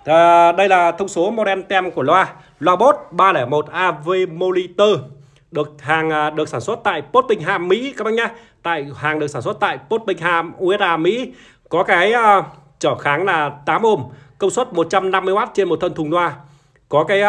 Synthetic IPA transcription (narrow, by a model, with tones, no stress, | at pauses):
ɗə˧jlaː˨˩t̪ʰə˧wŋ͡mso˨˦mɔ˧ɗɛ˧nt̪ɛ˧mku˧˩əlwaː˧ | lwaː˧ɓo˦˥t̚ɓaː˧lɛː˧˩jmo˨˩t̚ʔaː˧ve˧mo˧li˧t̪əː˧ | ɗɨ˨˩ək̚haː˨˩ŋː˨˩ɗɨ˨˩ək̚saː˧˩swə˦˥t̚t̪a̰ː˧˨jpo˦˥t̚ɓï˧˩ŋ̟ɦa̰ː˧˨mḭ˧˥kaː˦ɓə˧˩jɲaː˧˩ | t̪a̰ː˧˨jhaː˨˩ŋɨ˨˩k̚saː˧˩swt̚t̪a̰ː˧˨jpo˦˥t̚ɓï˧˩ŋ̟ɦa̰ː˧˨mʔu˧ɛ˦˥t̚ʔaː˧˩mḭ˧˥ | kɔ˨˦kaː˨˦jʔəː˧ | t͡ɕəː˧˩xaː˨˦ŋlaː˨˩t̪aː˨˦mho˧˩mkə˧wŋ͡mswə˦˥t̚mo˨˩t̚t͡ɕa˧mna˧mːɨ˧əjmaː˦˥t̚t͡ɕe˧nmo˨˩t̪ʰə˧nt̪ʰu˨˩nlwaː˧ | kɔ˨˦kaː˨˦j